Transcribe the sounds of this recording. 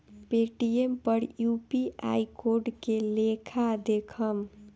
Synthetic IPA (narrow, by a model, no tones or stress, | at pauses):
peʈiempəɾjupiʔa̰jkoɾɖkelekʰad̪ekʰəm